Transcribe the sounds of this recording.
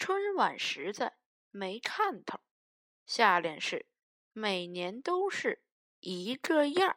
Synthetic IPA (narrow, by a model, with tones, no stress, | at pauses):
ʈ͡ʂʰwə˥nwa˨˩nʂɻ̩˧˥t͡sa˥˩ɪ | me˧˥ɪkʰa˥˩nt̪ʰɤ˨˩˦ŋ | ɕja˥˧ljɛ˥˧nʂɻ̩˥˩ | me˨˩ɪnjɛ˧˥nt̪o˥ʊʂɻ̩˥˩ | i˧˥kə˥˧ja˥˩